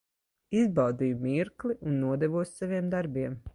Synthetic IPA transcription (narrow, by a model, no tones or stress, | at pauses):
izbɑwd̪ijumiɾklˠiʔunːuɔd̪ɛvuɔssaviɛmd̪aɾbiɛm